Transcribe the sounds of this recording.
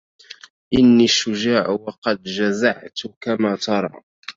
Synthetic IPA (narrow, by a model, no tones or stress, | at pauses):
ʔɪnːiːʃːʊd͡ʒaːʕwɑqɑd̪d͡ʒazaʕt̪ʊkamaːt̪ɑɾˤɑ̰ː